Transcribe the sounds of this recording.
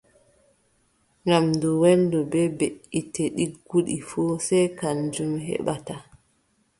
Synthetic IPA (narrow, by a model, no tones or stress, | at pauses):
ŋɡamdɔwɛndɔbɛbeʔiteɗiɡuɗifuːsɛjkand͡ʒumɦɛ̰ɓata